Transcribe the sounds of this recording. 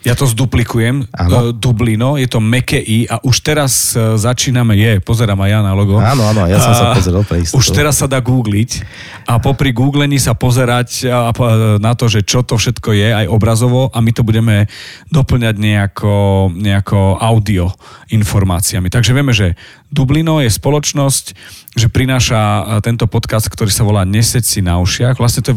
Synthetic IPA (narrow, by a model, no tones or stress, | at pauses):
jat̪ɔzd̪uplikujɛmʔa̰nɔd̪ublinɔjɛt̪ɔmɛkɛʔiːʔaʔuʃt̪ɛɾazːat͡ʃiːnamɛjɛpɔzɛɾaːmajjanalɔɡɔaɔaːnɔajasɔmsaɔzɛɾalpɾɛistuʃt̪ɛɾasːad̪aːɡuːɡlic | ʔapɔpɾiɡuːɡlɛɲisapɔzɛɾac | nat̪ɔʒɛt͡ʃɔt̪ɔfʃɛt̪kɔjɛajʔɔbɾazɔʋɔʔamit̪ɔbuɟɛmɛd̪ɔpl̩ɲaɟɲɛakʰɔɲɛakʰɔʔaʊd̪iɔinfɔɾma̰ːt͡siamit̪aɡʒɛʋɪɛmɛʒɛ | d̪ublinɔjɛspɔlɔt͡ʃnɔsc | ʒɛpɾinaːʃat̪ɛnt̪ɔpɔt̪kast̪̚kt̪ɔɾiːsaʋɔlaːɲɛsɛcsinaɔʃɪaɣʋlasɲɛt̪ɔ